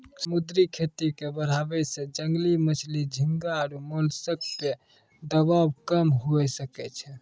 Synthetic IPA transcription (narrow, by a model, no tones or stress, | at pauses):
səmud̪ɾikʰet̪ikebəɾ̤abɛsẽd͡ʒəŋɡlimət͡ʃʰlid͡ʒʱiŋɡaɾumolsək̚pe | d̪əβabkəmɦoɛsəkɛt͡ʃʰɛ